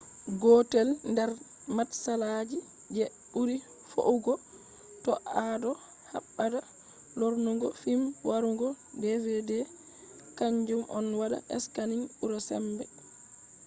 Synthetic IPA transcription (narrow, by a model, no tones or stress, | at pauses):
ɡɔtɛlndɛɾ | matsalad͡ʒi | d͡ʒɛ | ɓuɾi | fo̰uɡɔ | tɔʔadɔ | ha̰ɓːada | loɾnuŋɡɔfimwaɾuŋɡɔ | dɛvɛdɛ | kaɲd͡ʒumʔɔnwada̰ʔɛ̰skaniŋuɾɔsɛ̰mbɛ